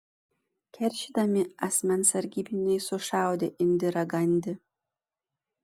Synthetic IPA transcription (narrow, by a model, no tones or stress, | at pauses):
kʲʰɛɾʲʃʲid̪ɐmʲɪɐsʲmʲɛnsɐɾʲɡʲibʲinʲɛjsʊʃɑwd̪ʲeʔɪnʲd̪ʲɪɾɐɡɐnʲd̪ʲɪ